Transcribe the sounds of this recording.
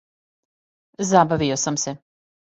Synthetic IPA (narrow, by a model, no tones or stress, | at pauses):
zabaʋio̞samse